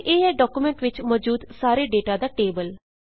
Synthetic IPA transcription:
ʔeːɛːɖɔːkuːmɛ̃ɳʈʋɪt͡ʃmɔːd͡ʒuːd̪saːɾeːɖeːʈaːd̪aːʈeːbəl

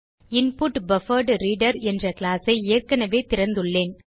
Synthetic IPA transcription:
ɪnpʊʈbɐfɐɾɖɾiːɖɐɾɛndrɐkɪɭaːsɐɪeːrkɐnɐʋeːt̪ɪɾɐnd̪ɯɭːeːn

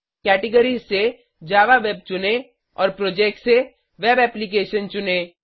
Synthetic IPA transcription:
kɛːʈɪɡəɾizse | d͡ʒaːʋaʋeːb̚t͡ʃʊne | ɔːɾpɾoːd͡ʒɛːk̚ʈse | ʋeːbɛːplikeːʃənt͡ʃʊneː

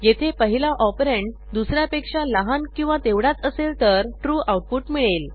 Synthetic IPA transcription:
jet̪ʰepəɦilaʔɔpɾeɳʈd̪usɾjapekʂaləɦankĩw̃ʋat̪eʋɽat͡səselt̪əɾʈɾuːʔawʈ̚puʈmiɭel

